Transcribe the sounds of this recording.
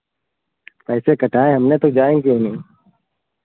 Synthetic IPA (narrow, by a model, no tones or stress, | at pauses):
pɛːsekəʈʰaːẽɦəmnẽːt̪oːd͡ʒaːẽŋkijõːnĩː